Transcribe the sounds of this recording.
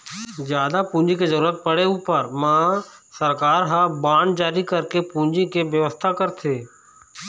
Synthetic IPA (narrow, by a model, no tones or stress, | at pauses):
zjaːd̪apũːɲd͡ʒikezəɾuːɾət̪̚pəɽeupəɾmãːsəɾkaːɾɦãbaːɳd͡ʒaːɾikəɾkepũːɲd͡ʒikeʋjəʋəst̪ʰakəɾt̪ʰeː